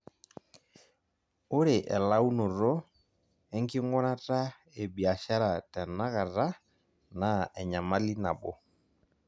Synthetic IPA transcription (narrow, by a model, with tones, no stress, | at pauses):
o˦ɾe˨ʔɛ̰˨la˦u˦nɔ˨ɾɔ˦ | ɛ˦ŋ˦ki˦ŋ˦ɡɔ˦na˦ta˦ | e˨bi˨a˨ʃa˦ɾa˨tɛ˨na˦ɣa˨ɾa˦ | na˨ɛ˨ɲa˨ma˦li˦na˨bɔ˨